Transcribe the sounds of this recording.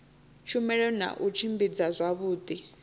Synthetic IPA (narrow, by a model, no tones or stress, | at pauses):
t͡ʃʰumɛɺɔna̰ʔut͡ʃʰimbid͡zazʷaβuːd̪i